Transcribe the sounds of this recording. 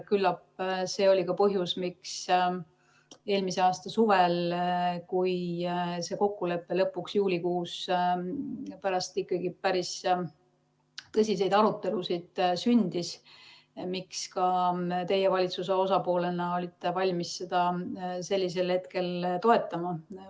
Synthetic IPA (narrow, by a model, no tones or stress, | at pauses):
kylːɑpse̞ːo̞lʲikɑpɤɦjusmiks | e̞ːlmise̞ɑːst̪ɑsuvelkujse̞ːko̞kːule̞pːe̞lɤpːˑuksjuːlʲikuːs | pæɾɑst̪ikːˑɑɡipæɾis | t̪ɤs̬ʲis̬e̞jd̪ɑɾut̪ːˑe̞lusid̪̥synʲd̪̥is | mikskɑt̪e̞je̞vɑlʲit̪sus̬eo̞sɑpo̞ːle̞nɑo̞lʲit̪ːˑe̞vɑlʲmisːe̞d̪̥ɑse̞lʲːis̬e̞lhe̞t̪ke̞lt̪o̞e̞t̪ːˑɑmɑ